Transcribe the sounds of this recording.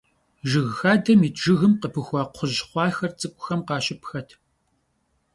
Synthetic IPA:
ʒɨɣxaːdɐmiːtʒɨɣɨmqəpʰɨxʷɑːqʷʰʊʑχʷɑːxɐrt͡sʼɨkʷʼʊ̥xɐmqɑːɕɪpʰxɐtʰ

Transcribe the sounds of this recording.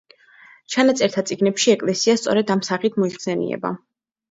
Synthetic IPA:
t͡ʃʰanat̪sʼɛɾt̪ʰat̪sʼiɡnɛpʃiɛkʼlɛsiast̪sʼɔɾɛd̪amsaχit̪ʰmɔiχsɛnḭɛ̰ba̰

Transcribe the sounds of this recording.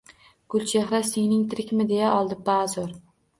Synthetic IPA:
ɡ̥ʊlˠt͡ʃeχɾaseŋnɪŋt̪ʰɪɾɪkʲmɪd̪e̞jaʔɒlˠd̪ɪpazoɾ

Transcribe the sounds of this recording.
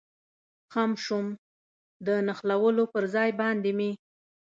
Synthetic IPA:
xamʃum | d̪ənaxlawəlopəɾzɑjbɑnd̪emi

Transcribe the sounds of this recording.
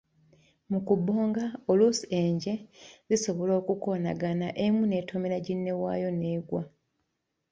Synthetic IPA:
mukubːo̞ːŋɡaolusieːɲɟe̞ziso̞βo̞lo̞ːkuko̞na̰ɡanaʔemune̞tʰomeɾaɟinːe̞wa̰ːjo̞ne̞ːɡwa

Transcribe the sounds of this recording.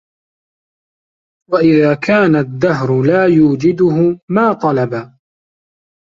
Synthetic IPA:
waʔɪðaːkʰaːnad̪ːaɦɾʊlaːjuːd͡ʒɪd̪ʊɦʊmaːt̪ˤɑlɑba

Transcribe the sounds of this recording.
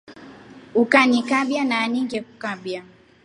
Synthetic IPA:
ukanikaɓjanaːniŋɡɛkukaɓja

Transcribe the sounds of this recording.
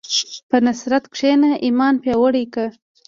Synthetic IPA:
pənasɾat̪kʂenaʔimɑnpjɑwəɽikə

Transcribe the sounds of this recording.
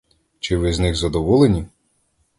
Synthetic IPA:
t͡ʃɪʋɪznɪxzɐd̪ɔʋɔlˠenʲi

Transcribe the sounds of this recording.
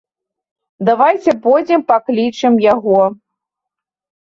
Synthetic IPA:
d̪avajt͡sʲɛpɔjd͡zʲɛmpaklʲit͡ʂɨmjaɣɔ

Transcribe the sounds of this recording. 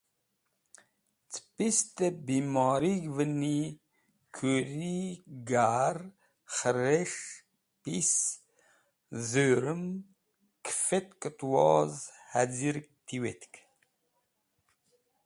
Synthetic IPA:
t͡sʰpist̪əbimɔːɾiɡvəni | kʰøɾiɡaɾ | xəɾeʂ | pis | zøɾəm | kʰfet̪kət̪wɔːzhæziɾkt̪ʰiwet̪k

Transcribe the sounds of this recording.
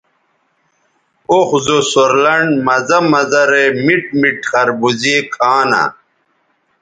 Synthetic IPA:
oxzosoɾlɐɳɖmɐzɐmɐzɐɾemiʈ̚miʈxɐɾbuzikʰaːna̰

